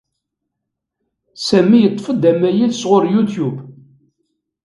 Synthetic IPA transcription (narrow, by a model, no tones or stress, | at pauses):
sæmːijət̪ˤːfəd̪æmæjilsʁʊɾjut̪jub